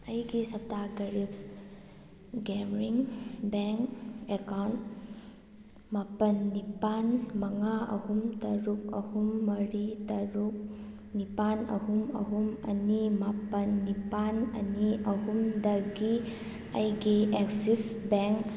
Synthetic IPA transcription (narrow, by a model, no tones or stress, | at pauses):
ɐjɡisɐp̚taɡɐɾips | ɡemɾiŋbeŋkekawnt | mapɐnːipanmɐŋaɐ̰humtɐɾuk̚ɐhumːɐɾitɐɾuk̚ | nipanɐ̰humɐ̰ɦumɐ̰nimapɐnːipanɐ̰niɐɦumdɐɡi | ɐ̰jɡieksipsbeŋk